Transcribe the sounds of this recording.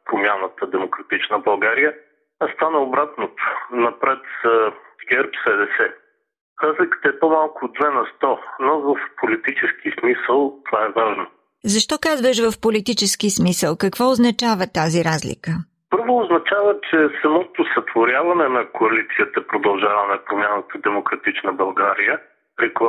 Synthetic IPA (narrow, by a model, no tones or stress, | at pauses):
pɾomʲjanət̪əd̪ɛmokɾɐt̪it͡ʃnəbɐlˠɡaɾijə | st̪anəobɾat̪not̪o̥nɐpɾɛt̪zəɡʲɛɾpsɛd̪ɛsɛ | ɾazlikə̥t̪əɛpomalˠkʊd̪vɛnɐst̪ɔnovəfpolit̪it͡ʃɛskismisəlˠt̪ovaɛvaʒno | zɐʃt̪ɔkazvəʃvəfpolit̪it͡ʃɛsk̟ismisəlˠkɐkvɔʊznɐt͡ʃavət̪aziɾazlḭkə | pɤɾvoːznɐt͡ʃavət͡ʃɛsɐmɔt̪osɐt̪voɾʲjavɐnɛnɐkoɐlit̪siət̪əpɾod̪ɐlˠʒavɐnɛpɾomʲjanət̪əd̪ɛmokɾɐt̪it͡ʃnəbɐlˠɡaɾijə | ɾɛklˠ